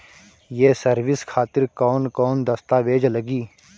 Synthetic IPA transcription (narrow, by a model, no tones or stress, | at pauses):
jeːsɐɾʋɪskʰaːt̪ɪɾkɔːnkɔːnd̪ɐst̪aːʋeːd͡ʒləɡiː